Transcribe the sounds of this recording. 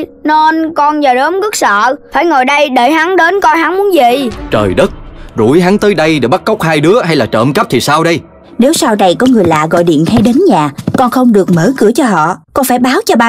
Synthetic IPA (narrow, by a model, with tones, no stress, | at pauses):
ne˧nkɔ˧nzəː˨˩ɗəː˨˦mɣɨ˦˥k̚sə̰ː˧˨faː˧˩jŋo˨˩jɗə˧jɗe˧˩jɦa˨˦ŋɗe˨˦nkɔ˧jhɦa˨˦ŋmu˨˦ənzḭ˧˨t͡ɕəː˨˩jɗə˦˥t̚zu˧˩˦jɦa˨˦ŋt̪əː˨˦jɗə˧jɗe˧˩ɓa˦˥kə˦˥wk͡p̚haː˧jɗɨ˨˦əɦa˧jlaː˨˩t͡ɕə̰ː˧˨mkə˦˥p̚t̪ʰi˨˩saː˧wɗə˧j | ne˨˦wsaː˧wɗa˨˩jkɔ˨˦ŋɨ˨˩əjla̰ː˧˨ɣɔ̰˧˨jɗḭ˧˨ənha˧jɗe˨˦nɲaː˨˩kɔ˧nxə˧wŋ͡mɗɨ˨˩ək̚məː˨˦kɨ˧˩ət͡ɕɔ˧ɦɔ̰˧˨kɔ˧nfaː˧˩jɓaː˨˦wt͡ɕɔ˧ɓaː˧